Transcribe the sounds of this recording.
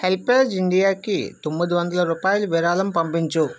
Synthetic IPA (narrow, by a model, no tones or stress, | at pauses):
helpɐɾd͡ʒiɳɖijaːkit̪omːid̪iʋɐnd̪ɐlɐɾuːpaːjuluʋiɾaːlɐmpɐmpiɲt͡ʃu